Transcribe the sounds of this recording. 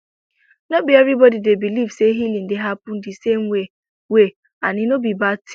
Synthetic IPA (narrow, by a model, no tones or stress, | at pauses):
nobiɛvɾibɔdidebilivseɦilin̩dɪɦapʊn̩dɪsem̩we | we | anɪnobibat